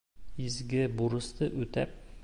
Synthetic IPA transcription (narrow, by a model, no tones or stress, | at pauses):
izɡɘbuɾɤ̆st̪ɤʔʉt̪æ̰p̚